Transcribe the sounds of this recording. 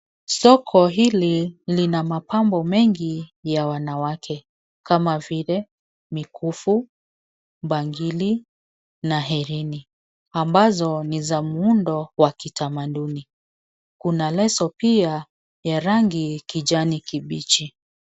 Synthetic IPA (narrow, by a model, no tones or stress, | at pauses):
sɔkʰɔɦililinamapambɔmɛŋɡijawanawakʰɛ | kamavilɛ | mikʰufu | ɓaŋɡili | naɦɛɾini | ambazɔnizamuundɔwakitamaɗuni | kunalɛsɔpia | jaɾaŋɡikid͡ʒanikiɓit͡ʃi